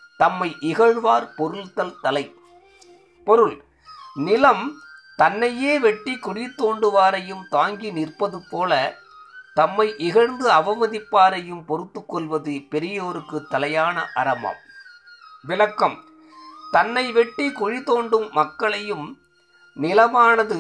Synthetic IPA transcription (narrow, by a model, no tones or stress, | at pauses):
t̪ɐmːɐɪʔɪɣɐɻʋaːɾpɔɾɯɭt̪ɐlt̪ɐlɐɪ | pɔɾɯl | nɪlɐmt̪ɐnːɐjeːʋɛʈːikʊɽit̪ːoːɳɖɯʋaːɾɐjɯmt̪aːŋɡinɪrpɐðɯpoːlɐ | t̪ɐmːɐɪʔɪɣɐɻnd̪ɯɐʋɐmɐðɪpːaːɾɐjɯmpɔɾɯt̪ːɯkːɔɭʋɐðɯpɛɾɪjɐːɾɯkːɯt̪ːɐlɐjaːnɐʔɐɾɐmɐ̰m | ʋɪlɐkːɐm | t̪ɐnːɐɪʋɛʈːikʊɻit̪ːoːɳɖɯmːɐkːɐɭɐjɯm | nɪlɐmaːnɐðɯ